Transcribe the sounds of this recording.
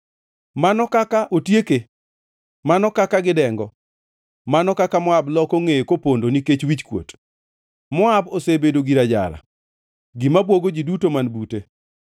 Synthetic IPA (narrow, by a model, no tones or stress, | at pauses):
manɔkakaʔotjeke | manɔkakaɡɪdɛŋɡɔ | manɔkakamɔablɔkoŋekopondoniket͡ʃwit͡ʃkwo̰t | mɔabosebedoɡiɾad͡ʒa̰ɾa̰ | ɡɪmabwoɡoɡidutomanbute